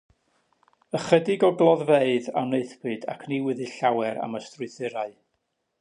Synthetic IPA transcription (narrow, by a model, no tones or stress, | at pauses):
əχədɪɡɔɡlˠɔðveɨða̰wneɨθb̥ɨda̰kʰniwɛðɨɬawɛɾa̰məstrʊɨθɪɾaɨ